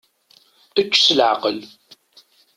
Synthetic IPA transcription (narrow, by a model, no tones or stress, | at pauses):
ət͡ʃːsəlʕa̰qəl